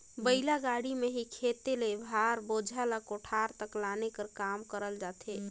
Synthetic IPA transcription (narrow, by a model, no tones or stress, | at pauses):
bəilaɡaɽimeɦikʰet̪elebʱaɾbod͡ʒʱalakoʈʰaɾt̪əklanekəɾkamkəɾəld͡ʒat̪ʰe